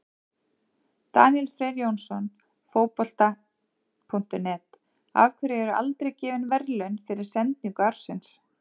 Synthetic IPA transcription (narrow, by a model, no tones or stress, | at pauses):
t̪a̰ːnjɛlfɾɛːðjownsɔn | foːwpɔl̥t̪a | pʰuŋn̥t̪ʏmnɛt̪ | a̰ːvkʰvʏɾɪɛɾʏʔa̰lt̪ɾejcɛːvɪnvɛɾlʏɥnfɪɾɪɾ̥sɛnt̪̚niŋkaɾ̥sɪns